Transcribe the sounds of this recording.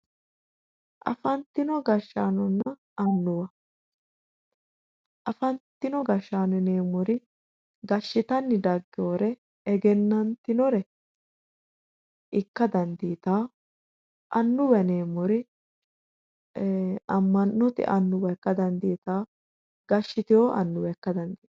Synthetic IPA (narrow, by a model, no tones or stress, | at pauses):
ʔɐ̰fɐnt̪ɪnɔɡɐʃːaːnɔnːɐ | ɐnːʊwɐ | ʔɐfɐnt̪ːɪnɔɡɐʃːaːnɛneːmɔɾɪ | ɡɐʃːɪt̪ɐnːɪd̪ɐɡːɪoːɾɛ | ɛɡɛnːɐnt̪ɪnɔɾɛ | ʔɪkːɐd̪ɐnd̪iːt̪aː | ʔɐnːʊwɐneːmɔɾɪ | ɐmːɐnːɔt̪ɪ̰ʔɐnːʊwɐɛkːɐd̪ɐnd̪iːt̪aː | ɡ̥ɐʃːɪt̪ɪjoːʔɐ̰nːʊwɛɛkːɐd̪ɐnd̪iː